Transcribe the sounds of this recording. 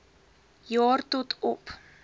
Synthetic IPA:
jɔːrt̪ot̪ʰɔp

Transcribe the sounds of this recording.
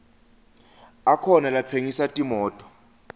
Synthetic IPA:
akʰɔnalat͡sʰeŋisatʼimɔːtʼɔ̥

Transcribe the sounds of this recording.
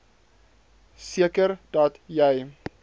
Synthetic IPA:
siəkərd̥ɐtjɛj

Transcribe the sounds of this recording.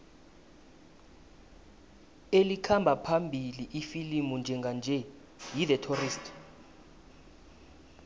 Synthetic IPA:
elikʰambʱapʰambʱiliʔifilimund͡ʒʱɛŋɡʱand͡ʒʱɛ | jidɛtʰoristʰʼ

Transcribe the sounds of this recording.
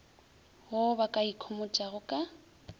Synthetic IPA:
hʊbakʼaikʰɔmʊt͡ʃʼaɣʊkʼa

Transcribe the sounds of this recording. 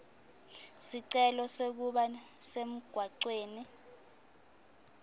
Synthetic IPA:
siǀɛlɔsek̬uɓasem̩ɡ̥ʱwaǀweːni

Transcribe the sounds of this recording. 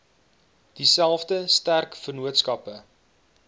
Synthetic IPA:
d̥isælˠfdəstærkfərnuətskɐpə

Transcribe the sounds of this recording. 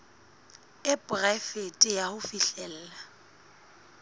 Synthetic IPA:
ɪpʼʊrɛfetʼɪjahʊfiɬɛl̩ːla

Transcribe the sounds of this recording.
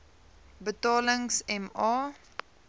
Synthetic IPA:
bətɑːləŋsɛmɑː

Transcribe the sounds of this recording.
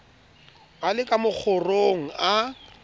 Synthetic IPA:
alɪkʼamʊk͡xʰʊroŋ̩a

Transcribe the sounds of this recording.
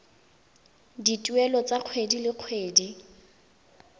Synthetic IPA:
ditʼuɛlɔt͡saq͡χʰwedilɪq͡χʰweːdi

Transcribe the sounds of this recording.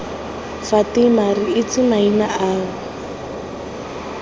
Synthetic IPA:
fatɪmariɪt͡simainaʔaːɣɔ

